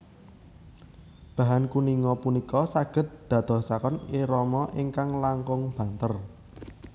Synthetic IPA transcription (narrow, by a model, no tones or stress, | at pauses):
b̥ä̤ɦankuniŋɔpunikɔsaɡ̥ə̤t̪̚d̪̥ä̤d̪̥ɔ̤sakɔniɾɔmɔʔiŋkaŋlaŋkʊŋb̥ä̤nt̪ər